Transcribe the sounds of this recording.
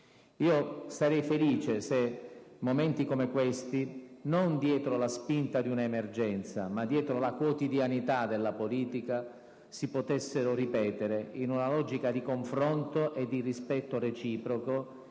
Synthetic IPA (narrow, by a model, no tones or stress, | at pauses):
iːosaɾɛjfeliːt͡ʃesemːomɛnt̪ikomekwest̪inond̪jɛːt̪ɾolaspint̪ad̪iunaemerd͡ʒɛnt̪sa̰mad̪ːjɛːt̪ɾolakwot̪id̪janit̪ad̪elːapoliːt̪ika | sipot̪esːeɾoripɛːt̪eɾeinunalɔːd͡ʒikad̪ikoɱfɾɔnt̪oʔed̪ːirispɛt̪ːoret͡ʃiːpɾoko